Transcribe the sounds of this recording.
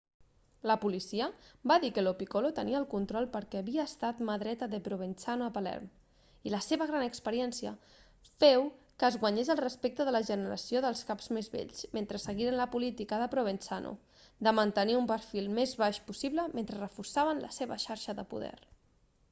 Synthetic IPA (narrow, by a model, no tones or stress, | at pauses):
ləpulisiəbaðikəlopikolot̪əniəlˠkunt̪ɾɔlˠpəɾkɛːβiəːst̪at̪məðɾɛt̪əðəpɾoβ̞ensanoəpalɛ̰ɾm | iləseβəɣ̞ɾanəkspəɾiɛnsiə̰ | fɛw | kəːzɣwəɲezəlˠrəspek̚t̪əðələʒənəɾə̰sioðəlˠskapz̥mezβḛʎsment̪ɾəsəɣiɾənləpulit̪ikəðəpɾoβensanʔṵ | d̪əmənt̪əniumpəɾfilˠmezβaʃpusiβləment̪ɾərəfuɾsaβənlə̰seβə̰ʃaɾʃəðə̰pṵðɛ̰ɾ